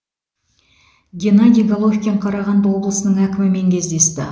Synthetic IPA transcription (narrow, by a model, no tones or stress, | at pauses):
ɡʲenad̪ʲijɡalˠofkʲe̞ɴqʰɑɾɑʁɑnd̪əwo̞blˠəsənəɴækʲɪmɪme̞ŋkʲʰe̞zd̪e̞st̪ɪ